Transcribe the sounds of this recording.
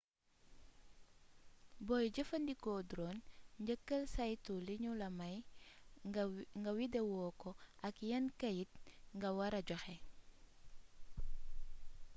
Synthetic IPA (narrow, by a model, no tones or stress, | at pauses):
bɔjɟəfəndikɔdɾɔnɲɟəkːəlsajtuliɲulɐmɐj | ŋɡɐwidewɔːkɔʔɐkjɐnkɐjit̚ŋɡɐwɐɾɐɟɔxɛ